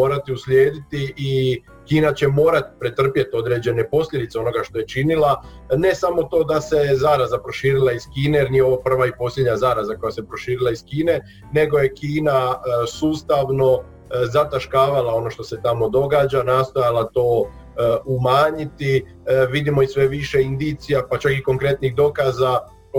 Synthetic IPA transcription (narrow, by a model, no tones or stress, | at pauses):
oːɾat̪iuslʲjeːd̪it̪iʔi | kiːnat͡ɕe̞mo̞ːɾat̪i̥pɾet̪r̩pjet̪o̞d̪ɾe̞d͡ʑe̞ne̞po̞slʎʲe̞d̪it̪seo̞no̞ɡaʃt̪o̞je̞t͡ʃinilane̞samo̞t̪o̞ːd̪ase̞zaːɾazapɾo̞ʃiːɾilaiz̥kiːnejeɾnijeoʋapr̩ʋaipo̞slʎʲed̪ɲazaːɾazako̞jasepɾo̞ʃiːɾilˠaiskiːne̞ | ne̞ɡo̞je̞kiːnasuːst̪aʋno̞ | zat̪aʃkaːʋalao̞no̞ʃt̪o̞set̪amo̞d̪o̞ɡaːd͡ʒanaːst̪o̞jalat̪o̞ː | umaːɲit̪i | ʋid̪imo̞isʋe̞ʋiʃe̞ind̪it̪sijapat͡ʃakiko̞ŋkɾe̞t̪niɣd̪o̞kaːza